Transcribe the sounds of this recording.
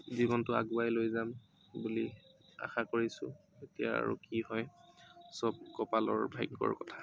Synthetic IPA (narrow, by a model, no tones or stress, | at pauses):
zibɔntʊa̰ɡuajlojzam | bulia̰xakoɹisʊ̰ | etija̰a̰ɹṵkihɔjsɔb̚kɔpalɔ̰ɹbʱajɡɔ̰ɹkɔtʰḁ